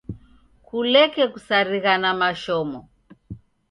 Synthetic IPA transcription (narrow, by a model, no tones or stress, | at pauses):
kulɛkɛkusaɾiɣanamaʃɔmɔ